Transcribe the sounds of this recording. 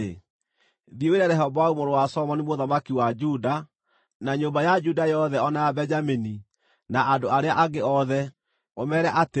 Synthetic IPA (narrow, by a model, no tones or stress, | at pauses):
e | ðieweɾɛɾɛɦɔbɔaumoɾowasɔmɔnimoðamakiwad͡ʒuda | naɲombajad͡ʒudajɔðɛɔnajabɛd͡ʒamini | naʔadoaɾeaʔaɡeɔðɛ | omɛɾɛʔate